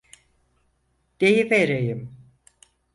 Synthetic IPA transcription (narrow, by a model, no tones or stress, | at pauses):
d̪̥ejiveɾejim